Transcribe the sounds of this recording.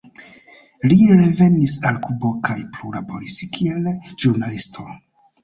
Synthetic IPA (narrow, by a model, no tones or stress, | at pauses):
liɾe̞ve̞nisalkubo̞kʰajplulabo̞ɾiskʰielʒ̥uɾnalistʰo̞